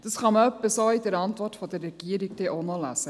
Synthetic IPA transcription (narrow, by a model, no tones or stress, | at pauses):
d̪̥ɑsχɑməœpːəsoid̪əɾɑntvɔrtfɔd̪ərːɛɡ̥iəɾik̚d̥̪ɛʔonɔlæ̰sə